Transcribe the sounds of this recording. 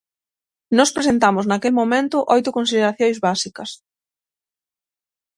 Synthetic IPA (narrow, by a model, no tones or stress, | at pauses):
nɔspɾesent̪amʊznakelmomẽnt̪ʊʔojt̪ʊkonsiðeɾaθjojzβasikɐs